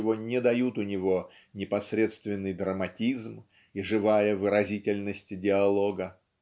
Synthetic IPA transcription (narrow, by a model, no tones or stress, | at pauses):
ɪvo̞nʲɪd̪ɐjut̪ʊnʲɪvo̞nʲɪpɐsɾʲe̞t̪st̪vʲɪnːɨjd̪ɾəmɐtʲizm | iʐɨvajəvɨɾɐzʲitʲɪlʲnəsʲtʲdʲɪɐlˠo̞ɡə